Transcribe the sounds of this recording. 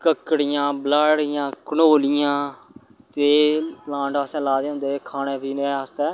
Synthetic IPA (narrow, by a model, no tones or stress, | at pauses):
kəkːɽɪjãːblaːɽɪjãːkənoːlɪjãː | t̪eːplãːɳʈasɛ̃ːlaːd̪eːɦʊ̃nd̪eːkʰaːneːpiːneaːst̪ɛː